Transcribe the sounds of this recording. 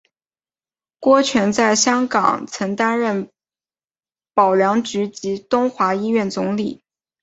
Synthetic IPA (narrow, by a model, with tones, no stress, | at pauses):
kwɔ˥t͡ɕʰɥɛ˧˥nt͡sa˥˩ɪɕjɑ˥ŋkɑ̰˨˩ŋt͡sʰɤ˧˥ŋt̪a˥nɻə˥˩n | pɑ˨˩ʊljɑ˧˥ŋt͡ɕy˧˥t͡ɕi˧˥t̪ʊ˥ŋxwa˧˥i˥ɥɛ˥˩nt͡sʊ˧˥ŋli˨˩˦